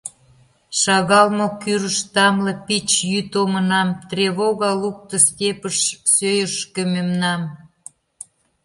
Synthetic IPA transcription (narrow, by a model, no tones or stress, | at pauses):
ʃɑɣɑlmokyɾəʃt̪ɑmlepit͡ɕjyt̪omənɑmt̪reβoɣɑluk̚t̪oskepəʃsøjəʃkømemnɑm